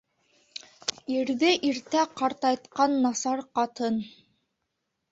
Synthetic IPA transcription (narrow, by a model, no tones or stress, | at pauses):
iɾðɘʔiɾt̪æqɑɾt̪ɑjt̪qɑnːɑsɑɾqɑt̪ɤn